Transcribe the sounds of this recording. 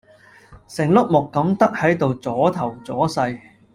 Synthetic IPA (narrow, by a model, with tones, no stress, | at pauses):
sɪ˨˩ŋlʊ˥k̚mʊ˨kːɐ˨˥mt̪ɐ˥k̚hɐ˨˥jt̪o˨wt͡sɔː˨˥t̪ʰɐ˨˩wt͡sɔː˨˥sɐ˧j